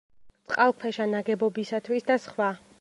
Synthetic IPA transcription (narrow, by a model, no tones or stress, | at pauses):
t̪sʼqʼalˠkʰwɛʃanaɡɛbɔbisat̪ʰwisd̪asχwa